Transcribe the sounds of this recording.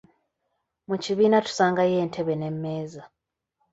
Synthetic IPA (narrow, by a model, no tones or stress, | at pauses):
muciβiːnatu̥saːŋɡaje̞ːntʰe̞βe̞ne̞mːe̞ːza